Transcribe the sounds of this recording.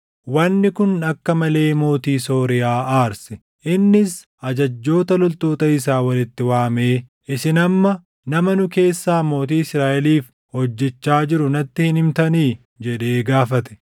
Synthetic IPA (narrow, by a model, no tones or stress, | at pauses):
wɐnːɪkʊnɐkːɐmɐle̞ːmo̞ːt̪iːso̞ːɾɪjaːaːɾsɛ | ʔɪnːɪs | ʔɐd͡ʒɐd͡ʒːo̞ːt̪ɐlʊlt̪oːt̪ɐɪs̬aːwɐlɪt̪ːɪwaːme̞ː | ʔɪsɪnɐmːɐ | nɐmɐnʊke̞ːsːaːmo̞ːt̪iːɪsɾaːʔɛliːf | hɔd͡ʒːɛt͡ʃːaːd͡ʒɪɾʊnɐt̪ːɪhɪnɪmt̪ɐniː | d͡ʒɛᶑe̞ːɡaːfɐt̪ɛ̥